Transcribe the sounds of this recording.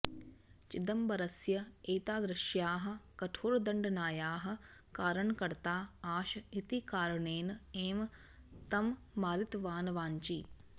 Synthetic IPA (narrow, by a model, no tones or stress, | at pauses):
t͡ʃid̪ɐmbɐɾɐsjɐeːt̪aːd̪ɾɪʃjaːɦɐ̆kɐʈʰoːɾɐd̪ɐɳɖɐnaːjaːɦɐ̆kaːɾɐɳkɐɾt̪aːaːʃɐit̪ikaːɾɐɳeːnɐeːm | t̪ɐmː | aːɾit̪ʋaːnɐʋaːɲt͡ʃi